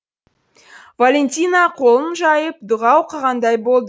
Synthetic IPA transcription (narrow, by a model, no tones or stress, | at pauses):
valʲenʲt̪ʲijnɑqʰo̞lˠənʒɑjəp̚d̪ʊʁɑwqʰɑʁɑnd̪ɑjbo̞lˠd̪ə